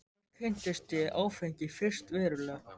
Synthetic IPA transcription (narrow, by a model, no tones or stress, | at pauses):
kʰɪn̥t̪ɪst̪jɛʔaːwfɛɲcɪfɪr̥st̪vɛːɾʏlɛ